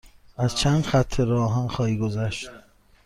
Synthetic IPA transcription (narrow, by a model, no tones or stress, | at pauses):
ʔæz̥t͡ʃʰæːnd̪xæt̪ʰːeɾɒːɦænxɒːhiːɡozæʃt̪̚